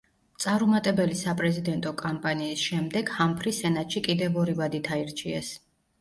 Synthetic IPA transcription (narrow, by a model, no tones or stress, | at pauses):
t̪sʼaɾumat̪ʼɛbɛlisapʼɾɛzid̪ɛnt̪ʼɔkʼampʼaniːsʃɛmd̪ɛɡ̥hampʰɾisɛnat̪ʼʃikʼid̪ɛvɔɾivad̪it̪ʰaiɾt͡ʃʰiɛs